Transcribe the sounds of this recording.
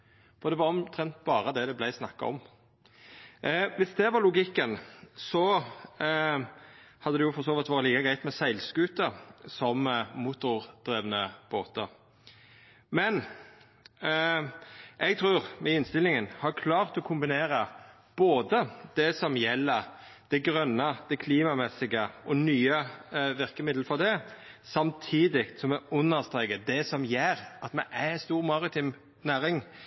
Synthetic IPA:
fɔʁd̪ɛʋɑɾɔmt̪ʰɾɛnt̪̚bɑːɾəd̪ɛd̪ɛblæɪsnɑkːɑ̰ɔ̰m | ʋɪsd̪ɛʋɑʁlʊɡɪkːənsɔ | hɑd̪əd̪ɛjʊfɔɾʁsoːʋɪt̪ʋɑːɾətliːkəɡɾʁæɪt̪mɛsæɪlskʉːt̪əsɔmmʊt̪ʊɾd̪̥ɾeːʋnəb̥oːt̪ə | mɛn | ʔɛɡt̪ʰɾʉːʁmɛɪnst̪ɪlɪŋənhɑɾkʰlɑːʁt̪ɔkʰʊmbɪneːɾə | b̥oːd̪əd̪̥ɛsɔmjɛlːəɾd̪̥ɛɡɾœnːəd̪̥ɛkʰliːmɑmɛsɪɡəʔɔnyːəʋɪʁkəmɪd̪ləfɔd̪ɛ | sɑmt̪ʰiːd̪ɪkt̪sɔmɛʊnːəʁst̪ʁeːɡət̪̚d̪ɛsɔmjeːɾɑt̪mɛʔæɛnst̪uːʁmɑʁɪt̪ʰɪm | næːɾɪŋ

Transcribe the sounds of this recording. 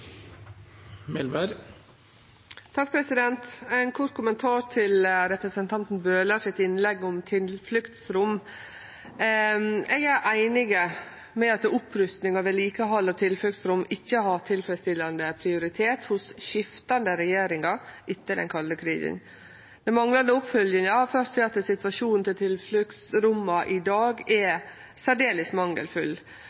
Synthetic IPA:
mɛlməɾ | t̪ʰɑk̚ːpʰɾɛsɪd̪ɛnt̪æɪnkʰɔʈ̪̚kʰʊmənt̪ʰɑːɾt̪ʰɪlɾɛpɾəsənt̪ʰɑnt̪n̩bøːləʂɪt̪ːɪnlɛɡɔmt̪ʰɪlflʏkt̪sɾʊmː | ɛɡæɾʔæɪnɪɡə | mɛɑt̪ʊpʰɾʏst̪nɪŋɑʋɛliːkəɦɑlːət̪ʰɪlflʉk̚t̪sɾʊmːɪçːəhɑt̪ʰɪlfɾɛst̪ɪlːɑnd̪əpʰɾɪʊɾɪt̪ʰeːt̪hʊsʃɪft̪ɑnd̪əɾɛjeːɾɪŋɑʔɪt̪ːəd̪ɛ̰nkʰɑlːəkʰɾḭːsə̰n | d̪ɛmɑŋlɑnd̪əʊpfœljənjɑːfœɾstsɛɑt̪ːəsɪt̪ʋɑʃuːnn̩t̪ʰɪlt̪ʰɪlflʏk̪sɾʊmːɑʔɪd̪ɑːɡɛ | sæɖeːləsmɑŋːə̰lfʉlː

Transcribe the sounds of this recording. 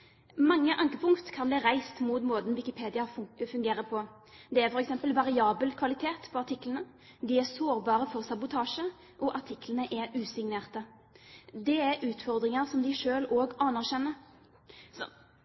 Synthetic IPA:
mɑŋːəʔɑŋkəpʰʊŋkt̪kʰɑnbliːɾæɪst̪muːt̪moːd̪nʋɪkɪpʰeːd̪ɪɑfʉŋɡeːɾəpʰɔ | d̪ɛæɾfɔɾɛksɛmpəlʋɑʁɪɑːbəlkʰʋɑlɪt̪ʰeːt̪pʰɔɑʈʰɪklənə | d̪ɪæɾsoːɾbɑːʁəfɔʁsɑbʊt̪ʰɑːʂə | ʔɔʔɑʈʰɪklənəʔɛʉːsɪŋneːʁt̪ə | d̪ɛæɾʉːt̪fɔʁd̪ʁɪŋɑʁsɔmd̪ɪʃøːloːɡɑnɑʁɕɛnːə | sɔ

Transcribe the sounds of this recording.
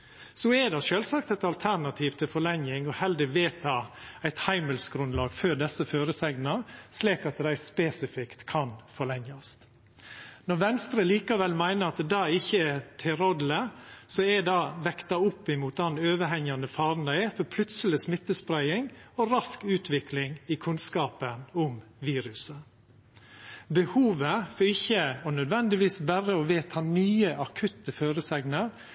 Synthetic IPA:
sɔɛd̪ɑʃøːlsɑkt̪ɛɪt̪ɑlt̪ʰæɾnɑt̪ʰiːʋt̪ʰɪlfɔɭɛŋjɪŋɔhɛld̪ɪʋeːt̪ʰɑːæɪt̪hæɪməlsɡɾʉnlɑːɡføːd̪ɛsːəføːɾəsɛɡnɑsliːkɑt̪d̪æɪspeːsɪfɪkt̪kʰɑnfɔɭɛŋjɑst̪ | nɔɾʋɛnst̪ɾəliːkɑʋɛlmæɪnəɾɑt̪d̪ɑːɪçːəɛt̪ʰɪɾɔd̪ləsɔɛd̪ɑːʋɛkt̪ɑʊpːɪmuːt̪̚d̪ɑnøːʋəɦɛŋjɑnəfɑːɾnd̪ɑɛfɔɾpʰlʉt̪səlɪsmɪt̪ːəspɾæɪɪŋɔɾɑskʉːt̪ʰʋɪkʰlɪŋɪkʰʉnskɑːpənʊmʋiːɾʉsə | bəhuːʋəfɔɾɪçːəɔnœd̪ʋɛnd̪ɪʋiːsbæɾəɔʋeːt̪hɑnnyːəʔɑkʰʉt̪ːəføːɾəsɛɡnəɾ

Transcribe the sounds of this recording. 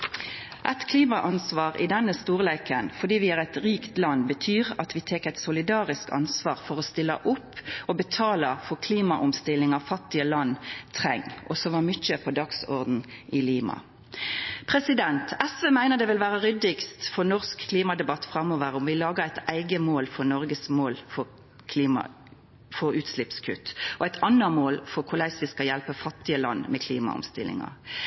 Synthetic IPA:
ʔæɪt̪kʰliːmɑʔɑnsʋɑːʁɪ̰d̪ɛnːəst̪uːʁleɪkənfɔʁd̪iːʋɪæːʁæɪt̪ʁiːkt̪lɑnːbət̪ʰyːʁɑt̪ʋɪt̪ʰeːkæɪt̪sʊlɪd̪ɑːʁɪskɑ̰nsʋɑːʁfɔʁɔst̪ɪlːə̰ʔʊpːɔbət̪ʰɑːləfɔʁkʰliːmɑʔʊmst̪ɪlːɪŋɑʋfɑt̪ːɪəlɑnːt̪ʰʁɛŋːʔɔsɔmʋɑmʏt͡ʃəpʰɔd̪ɑksɔʁd̪n̩ɪliːmɑ̰ | pʰʁɛsɪd̪ɛnt̪ɛsʋeːmæɪnəʁd̪ɛʋɪlʋæːʁəʁʏd̪ɪkst̪fɔʁnɔʁskʰːliːmɑd̪ɛbɑt̪ːfʁɑmoːʋəʁɔmʋɪlɑːɡəʁæɪt̪ʰæɪɡəmoːlfɔʁnɔʁɡəsmoːlfɔ | kʰliːmɑ̰ | fɔɾʉːt̪slɪpskʰʉt̪ːʔɔæɪt̪ʰɑnːəmoːlfɔʁkʰʊʁlæɪsʋɪskɑjælpəfɑt̪ːɪəlɑ̰nːmɛkʰliːmɑ̰ʊ̰mst̪ɪ̰lːɪ̰ŋɑ̰

